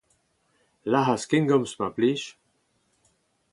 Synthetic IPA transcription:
laɦaskɪŋɡɔmsmapliʃ

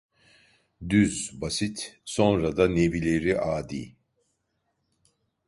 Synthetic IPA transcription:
d̪yzbasit̪so̞nɾad̪anebilʲe̞ɾiʔaːd̪ḭː

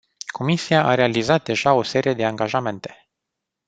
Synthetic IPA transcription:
kʰo̞misiaʔaɾe̞alizat̪̚d̪e̞ʒao̞se̞ɾije̞d̪e̞aŋɡaʒame̞nt̪e̞̥

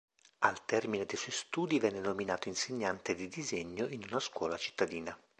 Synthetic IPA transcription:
alt̪ɛrmined̪ejswɔjst̪uːd̪ivɛnːenominaːt̪oinseɲːant̪ed̪id̪izeɲːoʔinunaskwɔːlat͡ʃi̥t̪ːad̪iːna

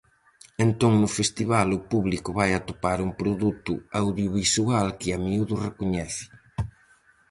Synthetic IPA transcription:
ent̪oŋnʊfest̪iβalʊpuβlikʊβajat̪opaɾuŋpɾoðut̪ʊ̰awðjoβisualkɪamiuðʊrekoɲɛθɪ̥

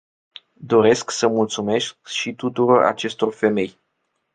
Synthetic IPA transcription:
d̪o̞ɾe̞sksəmult̪sume̞skʃit̪ut̪uɾo̞ra̰t͡ʃe̞st̪o̞rfe̞me̞j

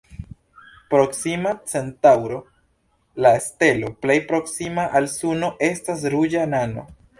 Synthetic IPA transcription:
pɾo̞ksimat͡se̞ntawɾo̞ | laeste̞lo̞ple̞jpɾo̞ksimaʔalsuno̞ʔe̞stas̬ɾud͡ʒanano̞̰

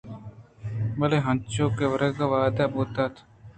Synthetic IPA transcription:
bɐleɦɐnt͡ʃoːkeʋɐɾekaʋaːd̪aboːt̪aːt̪ʰ

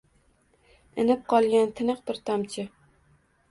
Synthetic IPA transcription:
ɪnɪp̚qʰɒlˠɡʲant̪ʰɪnɨqbɪɾt̪ʰamt͡ʃʰɪ

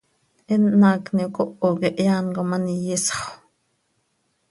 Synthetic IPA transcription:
ʔenːɑːknikoʔokeʔjaːnkomanijisχ

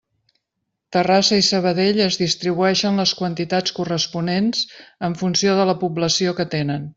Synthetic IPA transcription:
t̪ərasəisəβ̞əðeʎəzðist̪ɾiβuɛʃənləskwənt̪it̪at͡skurəspunenz̥əɱfunsioðələpubləsiokət̪enən

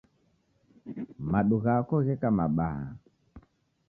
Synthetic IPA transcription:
maɗuɣakɔɣɛkamaɓaha̰

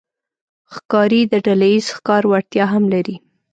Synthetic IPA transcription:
xkɑɾid̪əɖalajizxkɑɾwaɽt̪jɑɦamlaɾi

